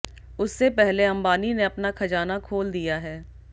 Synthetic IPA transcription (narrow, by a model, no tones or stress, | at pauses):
ʊsːepɛɦleɐ̃mbaːnineɐpnakʰɐd͡ʒaːnakʰoːld̪ijaɦɛː